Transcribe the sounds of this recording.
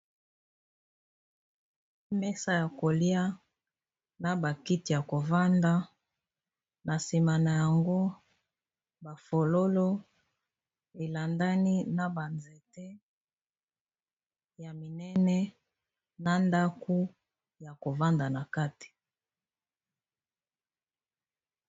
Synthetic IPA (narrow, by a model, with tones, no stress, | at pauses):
mɛ˦sa˦ja˨ko˨li˦a˦ | na˨ba˨ki˦ti˨ja˨ko˨va˦nda˦ | na˨si˨ma˨na˨ja˨ŋɡo˦ | ba˨fo˨lo˦lo˦ | e˨la˨nda˦ni˦na˨ba˨nze˨te˦ | ja˨mi˨nɛ˦nɛ˦ | na˦nda˦ku˦ | ja˨ko˨va˦nda˨na˨ka˦ti̥˨